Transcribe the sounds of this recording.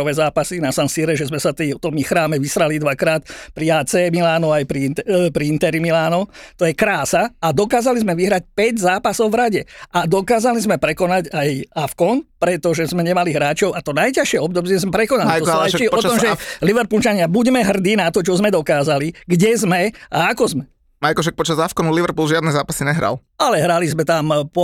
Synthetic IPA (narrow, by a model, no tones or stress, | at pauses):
ɔʋɛzaːpasinasansiːɾɛʒɛzmɛsat̪ɛt̪ɔmixɾaːmɛʋisɾalid̪ʋakɾaːt̪pɾiaːt͡sɛːmilaːnɔajpɾiɛpɾiint̪ɛɾimilaːnɔt̪ɔjɛkɾaːsaad̪ɔkaːzalizmɛʋiɦɾac̚pɛɟzaːpasɔʊvɾaɟɛad̪ɔkaːzalizmɛpɾɛkɔnaɟajafkɔnpɾɛt̪ɔʒɛzmɛɲɛmaliɦɾaːt͡ʃɔʊʔat̪ɔnajcaʃɪɛɔb̚d̪ɔbzɛzmɛpɾɛkɔnalitɔsalat͡ʃiɔt̪ɔmʒɛliʋɛɾpult͡ʃaɲɪabuɟmɛɦr̩d̪iːnat̪ɔt͡ʃɔzmɛd̪ɔkaːzaliɡɟɛzmɛaakɔzmɛ | majkɔʃɛk̚pɔt͡ʃazafkɔnuliʋɛɾpulʒɪad̪nɛzaːpasiɲɛɦɾa̰l | alɛɦɾalizmɛt̪ampɔ